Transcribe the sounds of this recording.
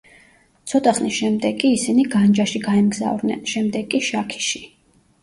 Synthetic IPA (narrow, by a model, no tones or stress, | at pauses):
t̪sʰɔt̪ʼaχnisʃɛmd̪ɛɡʼiːsiniɡand͡ʒaʃiɡaɛmɡza̰vɾnɛ̰nʃɛmd̪ɛɡʼiʃakʰi̥ʃi